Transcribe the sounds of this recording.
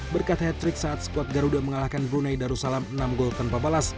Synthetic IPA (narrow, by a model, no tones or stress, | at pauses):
bərkat̪hɛt̪ɾɪksaːt̪̚sə̥kuwat̪̚ɡaɾudaməŋalahkanbɾunajdaɾusalamənamɡɔlt̪anpabalas